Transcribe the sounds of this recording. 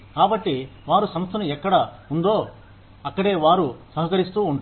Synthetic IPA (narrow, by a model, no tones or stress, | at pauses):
kaːbɐʈːiʋaːɾusɐmɐst̪ʰɐnuɛkːɐɽɐund̪oː | ɐkːɐɽe̞ːʋaːɾusɐɦɐkɐɾist̪uːɳʈ